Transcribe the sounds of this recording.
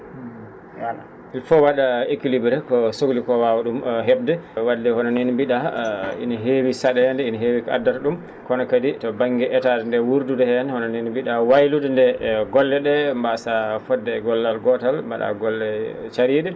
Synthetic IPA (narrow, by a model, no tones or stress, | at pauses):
a | ilfɔwaɗaekilibɾɛkɔsoɡlikɔwawaɗumɦɛbdɛwadːɛhɔnɔnenbiɗaḭnaɦewisaɗɛɛndɛinaɦewika̰dːaɾɗum | kɔnɔkaditɔbaŋɡɛʔɛtadɛndɛwuɾdudɛhɛnhɔnɔnenibiɗawajludɛndɛɡɔlːɛɗɛmbasafɔdːɛɡɔlːalɡɔtalmbaɗa̰ɡɔlːɛt͡ʃaɾiɗɛ